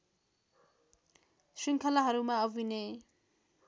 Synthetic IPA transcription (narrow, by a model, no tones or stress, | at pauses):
siŋkʰʌlaɦʌɾumaʌbʱine